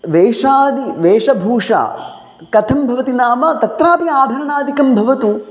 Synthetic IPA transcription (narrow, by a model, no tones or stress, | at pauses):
ʋeːʂaːd̪iʋeːʂɐbʱuːʂa̰ː | kɐt̪ʰɐmbʱɐʋɐt̪inaːmɐt̪ɐt̪ɾaːpiaːbʱɐɾɐnaːd̪ʱikɐmbʱɐʋɐt̪u